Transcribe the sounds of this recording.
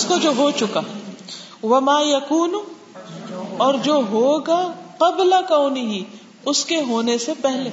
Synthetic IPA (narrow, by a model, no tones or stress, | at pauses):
skod͡ʒoːɦot͡ʃʊkaː | ʋɐmaːjɐkuːnu | ɔːɾd͡ʒoːɦoːɡaqɐblakaːnɪɦi | ʊskeɦoːnesepɛɦleː